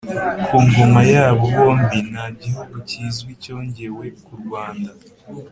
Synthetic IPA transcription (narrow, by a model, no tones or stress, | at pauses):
kʰuːŋɡumajaːβoβo̞ːmbinaɟihuɡucizɡwico̞ːɲɟe̞we̞kuɾɡwaːnda